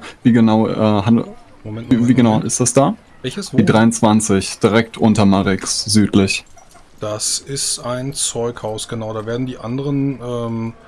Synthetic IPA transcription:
viːɡənaʊʔɛːɦan | vviːɡənaʊʔɪ̰std̥asd̥aː | vɛçəsiːdʁaɪʊnt͡sv̥ant͡sɪçd̥iʁɛk̚tʰʔʊntɐmaʁɪksz̥yːtʰlɪç | d̥asɪstaɪnt͡sɔʏkhaʊsɡ̥ənaʊdaːveːɐdn̩diːʔandəʁənʔɛːm

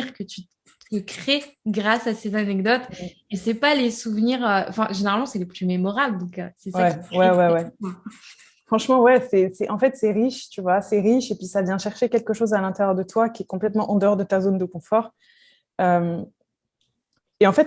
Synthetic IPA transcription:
iʁkət̪y | t̪əkχeɡʁasasezanɛɡd̪ɔt̪ | esɛpalesuvniʁøʔɑ̰̃fɛ̃ʒeneʁalmɑ̃sɛləplymemɔʁabld̪ɔ̃kø̰sɛswaɛwɛwɛwɛa | fχɑ̃ʃmɑ̃wɛsɛsɛʔɑ̃fɛt̪sɛʁiʃt̪yvwasɛʁiʃepɥisavjɛ̃ʃɛʁʃekʲɛlkəʃozalɛ̃t̪eʁjœʁd̪ət̪wakʲiɛkɔ̃plɛt̪mɑ̃ʔɑ̃d̪əɔʁd̪ət̪azond̪əkɔ̃fɔʁ | øm | eɑ̃fɛt̪

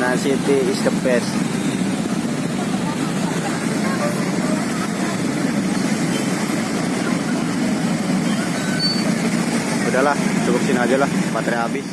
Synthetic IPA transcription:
nansit̪iːst̪əppɛs | udaɦlaht͡ʃukʊp̚sinad͡ʒalahpat̪ɾiabɪ

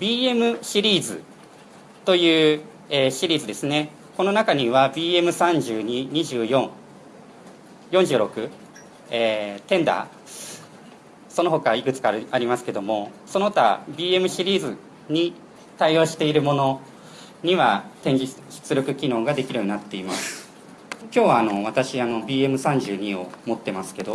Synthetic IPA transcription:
bʲiːe̞mɯ̟ɕiɾʲiːzɨ̰ | t̪o̞jɯ̟ː | eːɕiɾʲiːzɨd̪e̞sɨne̞ | ko̞no̞nakaɲ̟iβabʲiːe̞mɯ̟sãɲd͡ʑɨːɲ̟iɲ̟iʑɨːjõ̞ŋ | jõ̞ɲ̟d͡ʑɨ̟ːɾo̞kɯ̟ | eːt̪ẽ̞nd̪a̰ː | so̞noɦo̞kaikɯ̟t͡sɨ̥kaaɾʲimasɨ̥ke̞d̪o̞mo̞so̞not̪a̰bʲiːe̞mɯ̟ɕiɾʲiːzɨ | ɲ̟i | t̪aio̞ːɕi̥t̪e̞iɾɯ̟mo̞no̞ | ɲ̟iβat̪ẽ̞ɲ̟d͡ʑi | ɕi̥t͡sɨɾo̞kɯ̟kʲino̞ːɡad̪e̞kʲiɾɯjoɲinat̪ːe̞imasɨ̥ | kʲo̞ːβaːno̞βat̪aɕiano̞bʲiːe̞mɯ̟sãɲ̟d͡ʑɨːɲ̟io̞̰mo̞t̪ːe̞masɨ̥ke̞d̪o

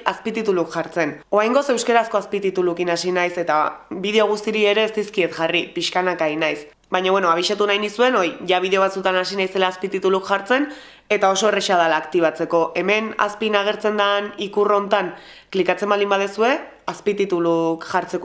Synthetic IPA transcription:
aspit̪it̪ulukʝaɾt͡se̞no̞ajŋɡo̞se̞wskeɾasko̞aspit̪it̪ulukinasinajse̞t̪aβið̞e̞o̞ɣ̞ust̪iɾie̞ɾe̞ːst̪iskiet̪ʝaripiʃkanakainajs | bajɲaβwe̞no̞aβ̞iʃat̪unajnisue̞no̞iʝaβ̞iðe̞o̞βat͡sut̪anasinajse̞laːspit̪it̪ulukʝaɾt͡se̞n | e̞t̪ao̞so̞e̞reʃað̞alaːkt̪iβ̞at͡se̞ko̞ʔe̞me̞na̰spinaɣ̞e̞ɾt͡se̞nd̪anikuro̞nt̪an | klikat͡se̞mbald̪imbað̞esue̞ | aspit̪it̪ulukʝaɾt͡se̞ko

